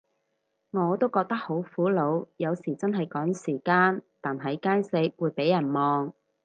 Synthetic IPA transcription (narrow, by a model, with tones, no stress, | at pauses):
ŋɔː˨˧t̪o˥wkɔː˧k̚t̪ɐ˥k̚ho˨˥wfuː˨˥lo˨˧wjɐ˨˧wsiː˨˩t͡sɐ˥nɦɐ˨jkɔː˨˥ŋsiː˨˩kaː˧nt̪aː˨nɦɐ˨˥jkaː˥nse˧k̚wuː˨˧jpe˨˥jɐ˨˩nmɔː˨˧ŋ